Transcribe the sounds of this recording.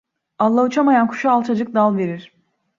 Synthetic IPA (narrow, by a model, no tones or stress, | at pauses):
alˠːaut͡ʃʰamajankʰu̥ʃaalˠt͡ʃʰad͡ʒɯk̚d̪alˠve̞ɾiɾ̥